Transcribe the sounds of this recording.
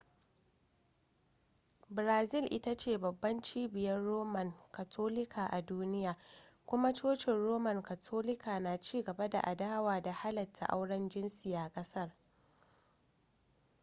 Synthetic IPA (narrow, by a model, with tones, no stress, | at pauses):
bɾaː˨zɪ˦lʔɪ̰˦ta˦t͡ʃeː˦˨bɐ˨bːɐ˦nt͡ʃiː˦bɪ˨jɐ˦rːoː˦mɐ˨ŋka˨tʰoː˦lɪ˦kʰaː˨ʔa˨duː˦nɪ˦jaː˨kʷʊ˦ma˦t͡ʃoː˦ʃɪ˨nɽoː˦mɐ˨ŋka˨tʰoː˦lɪ˦kʰaː˨naː˨t͡ʃiː˦ɡɐ˨ba˦da̰˨ʔa˨daː˦waː˨da˨ha˦lɐ˨tʰːa̰˨ʔa̰˦wɽɐ˦nd͡ʒɪ˦nsiː˨a˨kʼɐ˦sɐ˦r